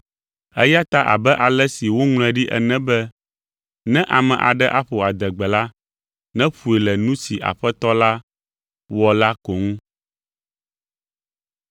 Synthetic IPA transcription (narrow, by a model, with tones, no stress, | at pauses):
ɛ˦ja˦t̪a˦ʔa̰˨bɛ˦ʔa˨lɛ˦si˨wo˦ŋl̃ɛ̃˨ɖi˦ʔɛ̰˨nɛ̃˦bɛ˦ | nɛ̃˦ʔa˨mɛ̃˨ʔa̰˨ɖɛ˦ʔa˦ɸo˨a˨d̪ɛ˨ɡ͡bɛ˨la˦ | nɛ̃˦ɸu˨e˨lɛ˨nũ˦si˨ʔa̰˨ɸɛ˦t̪ɔ˦la˦ | wɔ˨la˦ko˨ŋũ˦